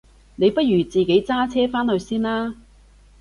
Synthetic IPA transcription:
ne˨˧jpɐ˥t̚jyː˨˩t͡siː˨ke˨˥jt͡saː˥t͡sʰɛː˥faː˥nhɵ˧ɥsiː˥nlaː˥

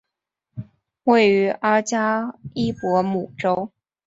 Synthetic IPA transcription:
we˥˩ɪy˧˥ʔa˥t͡ɕja˥i˥pwɔ˧˥mu˨˩ʈ͡ʂo˥ʊ

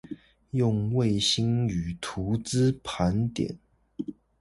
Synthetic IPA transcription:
jʊ˥˧ŋwe˥˨ɪɕi˦ŋy˨˩t̪ʰu˨˧˥t͡sɹ̩˥pʰa˨˦nt̪jɛ̰˨˩˦n

